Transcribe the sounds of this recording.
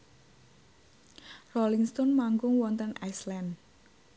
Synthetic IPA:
rɔliŋst̪ɔnmaŋɡʊŋwɔnt̪ənaslan

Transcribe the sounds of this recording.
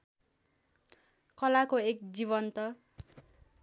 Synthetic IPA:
kʌlakoek̚d͡zibʌnt̪ʌ

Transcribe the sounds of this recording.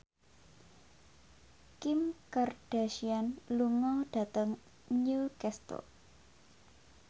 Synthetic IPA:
kɪmkard̥aʃianluŋɔɖ̥at̪əŋ | nukɛst̪ɔ̰

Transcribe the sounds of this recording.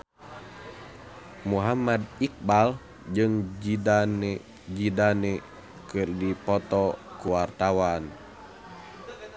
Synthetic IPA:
muɦamad̪ik̚bal | d͡ʒɨŋd͡ʒidan | d͡ʒidanɛ | kɨrdipɔt̪ɔkuwart̪awan

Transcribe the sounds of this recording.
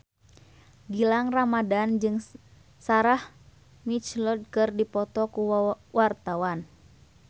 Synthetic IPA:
ɡilaŋramadand͡ʒɨŋ | saɾah | mit͡ʃlɔd̚kɨrdipɔt̪ɔkuwart̪awan

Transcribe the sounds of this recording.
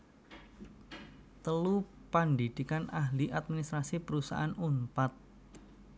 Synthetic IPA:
t̪əlupandid̪̥i̤kanaɦliʔat̪̚minist̪ɾasipəɾusa̰ʔanumpat̪̚

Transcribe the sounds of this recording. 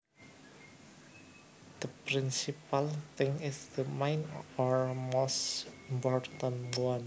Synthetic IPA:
d̪̥əpɾɪnsipalt̪ɪŋɪsd̪əmajnɔɹmosimpɔrt̪ə̃nwan

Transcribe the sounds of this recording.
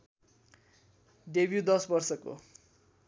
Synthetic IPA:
ɖebjud̪ʌsbʌrsʌko̰

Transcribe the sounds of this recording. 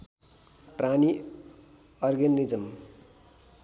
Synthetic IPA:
prani | ʌrɡenːid͡zʌm

